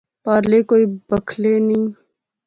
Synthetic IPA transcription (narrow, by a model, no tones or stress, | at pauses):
paːɾlekoːibɐkʰlenĩ